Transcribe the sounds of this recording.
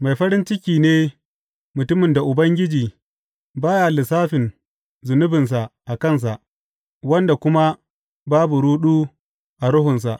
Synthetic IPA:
ma˨jɸɐ˦ɾɪ˦nt͡ʃɪ˦kʲiː˨neː˦ | mʊ˨tʊ˦mɪ˨nda˨ʔʊ˨bɐ˦ŋɡʲɪ˦d͡ʒiː˨ | baː˦ja˨lɪ˨saː˦ɸɪ˨n | zʊ˨nʊ˦bɪ˨ns̬a˨ʔʔa˨kɐ˦˨ns̬a˨ʔ | wɐ˦nda˨kʷʊ˦ma˦ | baː˦bu˨ɽuː˦ɗuː˦ | ʔa˨ɾʊ˦ɦʊ˨ns̬a˨ʔ

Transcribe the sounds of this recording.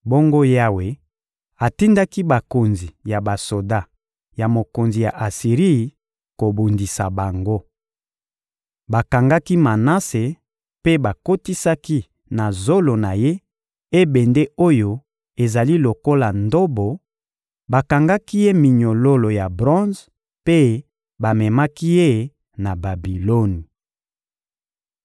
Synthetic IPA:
bo˦ŋɡo˦ja˦we˨ | a˨ti˦nda˦ki˦ba˨ko˨nzi˨ja˨ba˨so˨da˦ | ja˨mo˨ko˨nzi˨ja˨ʔa˨si˨ʁi˦˨ | ko˨bu˨ndi˨sa˨ba˨ŋɡo˦ | ba˨ka˨ŋɡa˦ki˦ma˨na˦se˨ | pe˦ba˨ko˦ti˦sa˦ki˦ | na˨zo˦lo˨na˨je˦ | e˦bɛ˨nde˦o˦jo˨ | e˨za˨li˦lo˨ko˦la˨ndo˦bo˨ | ba˨ka˨ŋɡa˦ki˦je˦mi˨ɲo˨lo˦lo˨ja˨bʁɔ̃˦z | pe˦ | ba˨mɛ˨ma˦ki˦je˦ | na˨ba˨bi˨lo˦ni˨

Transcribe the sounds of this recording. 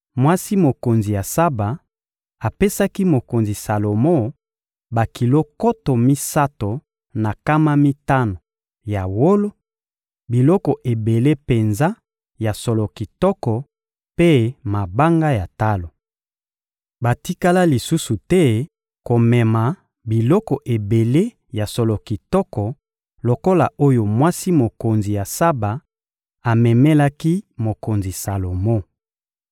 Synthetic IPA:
mwa˦si˦mo˨ko˨nzi˨ja˨sa˦ba˨ | a˨pe˦sa˦ki˦mo˨ko˨nzi˨sa˨lo˨mo˦ | ba˨ki˨lo˦ko˦to˨mi˦sa˦to˨ | na˨ka˦ma˦mi˦ta˦no˨ | ja˨wo˦lo˦ | bi˨lɔ˦kɔ˨ʔe˨be˨le˦pe˨nza˦ | ja˨so˨lo˨ki˨tɔ˦kɔ˨ | pe˦ma˨ba˦ŋɡa˦ja˨ta˦lo˨ | ba˨ti˦ka˦la˦li˨su˦su˨tɛ˦ | ko˨mɛ˨ma˨ | bi˨lɔ˦kɔ˨ʔe˨be˨le˦ | ja˨so˨lɔ˨ki˨tɔ˦kɔ˨ | lo˨ko˦la˨o˦jo˨mwa˦si˦mo˨ko˨nzi˨ja˨sa˦ba˨ | a˨mɛ˨mɛ˦la˦ki˦mo˨ko˨nzi˨sa˨lo˨mo˦

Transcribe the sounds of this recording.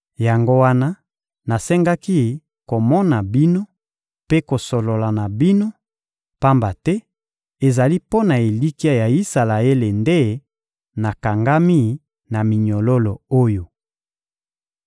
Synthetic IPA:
ja˨ŋɡo˦wa˦na˦ | na˨sɛ˦ŋɡa˦ki˦ | ko˨mɔ˦na˨bi˦no˦ | pe˦ko˨so˨lo˨la˨na˨bi˦no˦ | pa˦mba˨tɛ˦ | e˨za˨li˦po˦na˨e˨li˦ki˦a˦ja˨i˦sa˨la˨e˦le˨nde˦ | na˨ka˨ŋɡa˦mi˦ | na˨mi˨ɲo˨lo˦lo˨o˦jo˨

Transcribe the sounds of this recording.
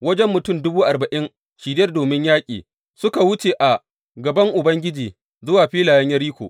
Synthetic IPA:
wɐ˦d͡ʒɛ˦mːʊ˨tʊ˦˨mdʊ˦buː˦ʔa˨bɐ˨ʔɪ˦ŋ | ʃiː˨dɐ˦rdoː˨mɪ˦ɲjaː˦kʲʼḭː˨ | sʊ˦ka˨wʊ˦t͡ʃeː˨ʔa˨ | ɡɐ˨bɐ˦ŋʔʊ˨bɐ˦ŋɡʲɪ˦d͡ʒiː˨ | zʊ˦waː˨ɸiː˦laː˨jɐ˦ɲjɐ˦ɾiː˦kʷo̰ː˨ʔ

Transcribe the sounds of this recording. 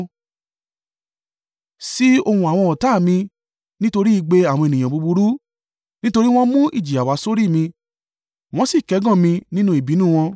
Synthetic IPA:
si˦o˧hũ˧a˨w̃ɔ̃˧ɔ˨ta˨˦˨mĩ˧ | nĩ˦to˧ɾi˦i˧ɡ͡be˧a˨wɔ̃˧e˨nĩ˨j̃ã˨bu˧bu˧ɾu˦ | nĩ˦to˧ɾi˦w̃ɔ̃˦mũ˦ʔḭ˦˨d͡ʒi˨a˨wa˨˧˦so˦ɾi˦˨mĩ˧ | w̃ɔ̃˦si˦˨kɛ˨˦ɡɔ̃˦˨mĩ˧nĩ˦nũ˧˦i˨bi˨˦nũ˦˨w̃ɔ̃˧

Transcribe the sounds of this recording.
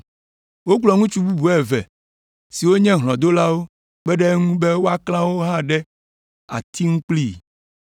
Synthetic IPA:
wo˦k͡plɔ˨ŋũ˦t͡ʃu˦bu˦bu˨ɛ˨vɛ̰˨ | si˨wo˦ɲɛ̃˦ɦlɔ̃˨d̪o˦la˦wo˦ | k͡pɛ˦ɖɛ˦ŋũ˦be˦wo˦a˦klã˦wo˦ɦã˦ɖɛ˦ | a̰˨t̪i˦ŋũ˦k͡pli˦˨

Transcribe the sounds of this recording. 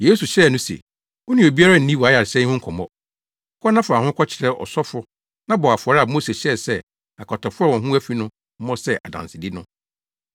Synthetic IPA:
jeː˦su˨ɕɛ˦˨nʊ̃˦sḛ˨ | ɔ˦nĩ˨o˨bi˦a˦ɾa˦n̩˨nĩ˦wɔ˨a˨˦ja˨ɾɪ˨sɛ̃˦hʊ̃˦ŋ̩˦kʰɔ˨mɔ̰̃˦ | kʰɔ˦nã˦fʊ˨a˨hʊ̃˦kʰʷɔ˦t͡ɕʰɪ̥˨ɾɛ˦ʔɔ̰˨sɔ˦fɾʊ˦ | nã˦bɔ˨a˨fʊ˨ɔ˨ɾɪ˦a˨moː˦se˨ɕɛ˦˨sɛ˦ | a˨kʰɔ˨tʰɔ˨fʊ˦ɔ˦wɔ̃˨ɦũ˦æ˦fi˦nʊ̃˦ | m̩˦mɔ̃˦sɛ˦˨ʔa̰˨dã̰˨nsɪ˨di˦nʊ̃˦

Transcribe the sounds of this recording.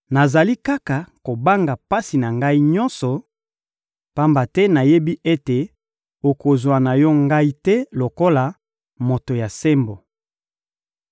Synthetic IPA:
na˨za˨li˦ka˦ka˨ko˨ba˦ŋɡa˨pa˦si˨na˨ŋɡa˦i˦ɲɔ˦nsɔ˨ | pa˦mba˨tɛ˦na˨je˦bi˦ʔe˦te˨ | o˨ko˨zwa˨na˨jɔ˦ŋɡa˦i˦tɛ˦lo˨ko˦la˨ | mo˨to˨ja˨se˦mbo˨

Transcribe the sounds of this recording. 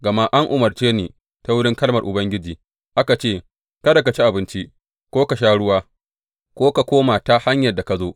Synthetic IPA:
ɡɐ˨ma˦ʔa˦ŋʔʊ˨mɐ˨rt͡ʃeː˦neː˨ | ta˦wʊ˦ɽɪ˦ŋkɐ˦lmɐ˨rʔʊ˨bɐ˦ŋɡʲɪ˦d͡ʒiː˨ | ʔa˦ka˨t͡ʃeː˦˨ | kɐ˦da˨ka˨t͡ʃi˦ʔa˨bɪ˦nt͡ʃi˦ | kʷoː˦ka˨ʃaː˦ɽʊ˦waː˦ | kʷoː˦ka˨kʷoː˦ma˨ta˦ha˦ɲjɐ˨da˨ka˨zoː˦

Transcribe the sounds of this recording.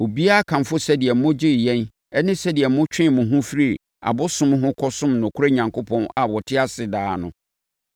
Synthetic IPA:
o˨bi˦a˦a˦˨kʰã˨m˨fʊ˦sɛ˦dɪ˨ɛ˨m̩˦mʊ̃˦d͡ʑɪ˦˨jɛ̃˦n | ɛ˦nɪ̃˦sɛ˦dɪ˨ɛ˨m̩ː˦ʊ̃˦t͡ɕᶣɪ̃˦˨mʊ̃˨ɦʊ̃˦fɾi˦˨ | a̰˨bʊ˦sʊ̃˦mɦʊ̃˦kʰɔ˦sʊ̃˦mnʊ̃˨kʰʊ˦ɾe˦ɲã˨ŋkʰʊ˦pʰɔ̃˦na˨wɔ˨tʰɪ˦a˦sɪ˨daː˨˦nʊ̃˨

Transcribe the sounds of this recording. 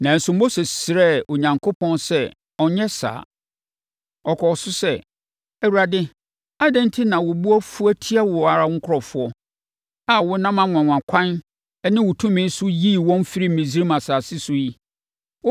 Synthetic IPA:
nã˨n̩˨sʊ̃˨m̩˦bo˦sɛ˨sɪ˨ɾɛ˦˨o˨ɲã˨ŋkʰo˦pʰɔ̃˦nsɛ˦ | ɔ˨ɲɛ˦sa̰ː˨ | ɔ˨kʰɔ˨sʊ˦sɛ˦˨ | æ˨wu˨ɾa˨dɪ˦ | a˦dɛ̃˦n˦tʰɪ˦nã˨wʊ˨bu˦ɔ˦fu˦æ˦tʰi˦a˦wʊ˨a˨ɾa˦ŋ̩˦kʰʊ˦ɾɔ˨fʊ˨˦ɔ˦ | a˨wʊ˦nã˦mã˨ŋʷã˨ŋã˨kʷʰã˦n | ɛ˦nɪ̃˦wʊ˨tʰũ˦mɪ̃˦n˦sʊ˦jiː˦˨wɔ̃˦n˦fi˦ɾi˦m̩˨mĩ˨zi˦ɾi˦mã˨saː˨sɪ˦sʊ˦ji˦

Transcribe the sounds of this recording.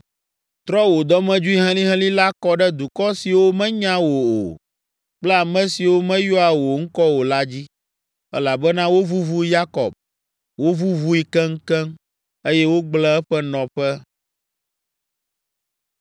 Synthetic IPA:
t̪ɾɔ˦wo˨d̪ɔ˦mɛ̃˦d͡ʒu˦i˦ɦɛ̃˦lĩ˦ɦɛ̃˦li˦la˦kɔ˦ɖɛ˦d̪u˨kɔ˦si˨wo˦mɛ̃˦ɲã˦wo˨o̰˨ | k͡plɛ˦a˨mɛ̃˦si˨wo˦mɛ̃˦jo˦a˨wo˨ŋ̩˦kɔ˦wo˨la˦d͡ʑi˦ | ɛ̰˦la˨bɛ˦nã˦wo˦vu˦vu˦ja˦kɔ̰˨b̚ | wo˦vu˦vu˦i˦kɛ˦ŋ̩˦kɛ˦m | e˦jɛ˦wo˦ɡ͡blɛ˦ɛ˦ɸɛ˦nɔ̃˨ɸɛ˦

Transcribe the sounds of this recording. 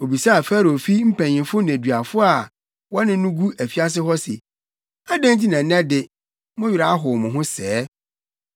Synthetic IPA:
o˨bi˨sa˦a˨fæː˦ɾo˨fi˦m̩˦pʰæ̃˨n˨ɪ̃˨fʊ˦n˨æ˨dɥa˨fʊ˦a˨ | wɔ˦nɪ̃˦nʊ̃˦ɡu˦æ˨fi˦a˦s̬ɪ˦ɦɔ˦sɛ̰˨ | a˦dæ̃˦nti˦nã˨˦nɛ̃˦dɪ˨ | mʊ̃˦ɥi˨ɾa˨a˦ɦʊ˨mʊ̃˨ɦʊ̃˦sɛː˦

